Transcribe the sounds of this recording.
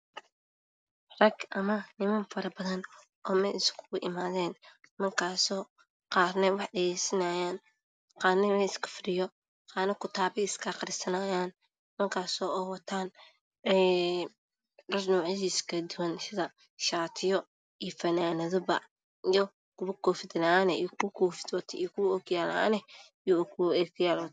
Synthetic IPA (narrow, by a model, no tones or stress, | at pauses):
rɐɡʔɐmɐnɪmɐnfɐɾɐbɐðɐn | ɔːmɛjɪskʰʊɣʊʔɪmaːðɛːnmɐrkʰaːsɔː | qɑːrnɛwɑħɖɐjɛjsɐnɐjaːn | qɑːnɛmɛɪskʰɐ̥fɾɪjɔ | qɑːnɐkʰʊt̪ʰaːβɪɪskʰɐqɑɾɪsɐnɐjaːn | mɐrkʰaːsɔːɛwɐt̪ʰaːn | ɛː | rɐsnuːʕɪʃiskʰɐd̪ʊwɐnsɪðɐ | ʃaːt̪ʰɪjɔ | ijfɐnaːnɐðɔbɐ̰ | ijɔ | kʰʊβɐkʰɔːfɪd̪nanɛḭkʰʊkʰɔːfɪ̥d̪wɐt̪ʰɛikʰʊɔkjaːla̰nɛ | jɔkʰɛkʰjaːlɔːt̪